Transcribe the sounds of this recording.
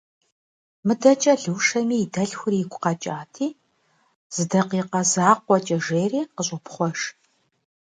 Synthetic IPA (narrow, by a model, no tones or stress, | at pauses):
mɨdɐt͡ʃʼɐɮɨwʂɐmiːdɐɮxʷʊriɪɡʷʼʊqɐt͡ʃʼaːtʰiː | z̥ɨdɐqiːqɐzaːqʷɔt͡ʃʼɐʒeːriːqəɕʼʊpʰχʷɔʂ